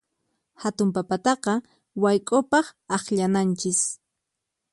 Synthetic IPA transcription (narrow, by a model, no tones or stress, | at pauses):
hat̪ʊmpapat̪ɑqɑ | wajkʼopɑχɑχʎanant͡ʃɪs